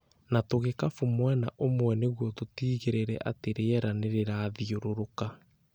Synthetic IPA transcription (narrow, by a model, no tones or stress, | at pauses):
natoɣekafomwɛna̰ʔomwɛneɣwɔtotiːɣeɾeɾɛ̰ʔa̰teɾeɛɾaneɾeɾaːðioɾoɾoka